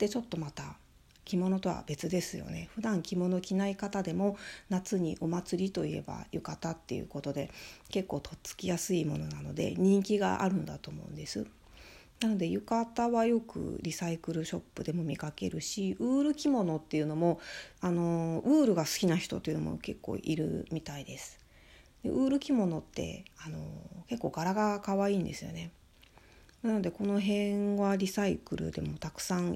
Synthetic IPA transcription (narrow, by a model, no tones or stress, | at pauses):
d̪̥e̞t͡ɕo̞t̪ːo̞mat̪a | kʲimo̞no̞t̪o̞βa̰be̞t͡sɨd̪e̞sɨjo̞̰ne̞ɸɯ̟d̪ãŋkʲimo̞no̞kʲinaikat̪ad̪e̞mo̞nat͡sɨɲ̟ḭʔo̞mat͡sɨɾʲit̪o̞ḭe̞̰ba̰jɯ̟kat̪at̪ːe̞jɯ̰ko̞t̪o̞d̪e̞ke̞kːo̞ːt̪ʰo̞t͡sɨ̥kʲijasɨimo̞no̞nano̞̰d̪e̞̰ɲ̟ĩŋkʲiɡa̰ʔa̰ɾɯ̟̃nd̪at̪o̞ːmo̞̰ɯ̟̃nd̪e̞sɨ | nano̞d̪e̞jɯ̟kat̪aβajo̞kɯ̟̰ɾʲisaikɯ̟ɾɯ̟ɕo̞pːɯ̟d̪e̞mo̞mʲikake̞ɾɯ̟ɕiɯːɾɯ̟kʲimo̞no̞t̪ːe̞jɯ̟no̞mo̞ano̞ɯ̟ːɾɯ̟ɡasɨ̥kʲinaçi̥t̪o̞t̪oeiɯ̟nomo̰ke̞kːo̞̰ːʔiɾɯ̟̰mʲit̪aid̪e̞sɨ̥ | d̪̥e̞̰ʔɯ̟ːɾɯ̟kʲimo̞no̞t̪ːe̞̰ano̞̰ke̞kːo̞ːɡ̥aɾaɡakaβaiːnd̪e̞sɨjo̞̰ne̞ | nano̞d̪e̞ko̞no̞ɦẽ̞ɰ̃βaɾʲisaikɯ̟ɾɯ̟̰d̪e̞̰mo̞t̪akɯ̟̥sãɰ